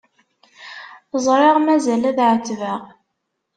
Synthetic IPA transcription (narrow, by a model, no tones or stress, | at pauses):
zˤɾˤɑʁmæzælæðʕət͡sːvəʁ